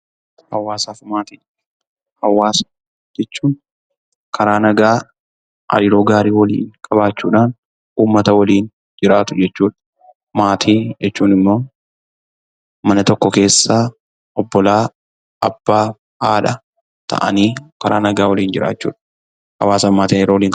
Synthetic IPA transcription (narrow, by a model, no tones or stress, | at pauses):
hɐwːaːsaːfmaːt̪iː | hɐwːaːsɐ̥ | d͡ʒɛt͡ʃːuːn | kʰɐɾaːnɐɡaː | ɐ̰lɪɾoːɡaːɾiːwɐlḭːnkʼɐbaːt͡ʃːuːᶑaːn | uːmːɐt̪ɐwɐliːn | d͡ʒɪɾaːt̪ʊd͡ʒɛt͡ʃːuːᶑ | maːt̪ʰiːd͡ʒɛt͡ʃːuːnɪmːo̞ː | mɐnɐt̪ɔkːɔke̞ːsːaː | ɔbːɔlaː | ɐb̥ːaː | aːᶑɐ | t̪ʰɐ̰ʔɐ̰niːkɐɾaːnɐɡaːwɐliːnd͡ʒɪɾʔa̰ːt͡ʃːṵːᶑɐ | hɐwaːsɐmaːt̪iːɪɾowliːŋkʼ